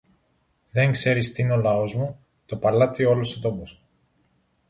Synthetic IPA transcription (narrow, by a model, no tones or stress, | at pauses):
ðe̞ŋkse̞ɾist̪iineo̞lɐo̞zmu | t̪o̞pɐlɐt̪io̞lusot̪o̞pos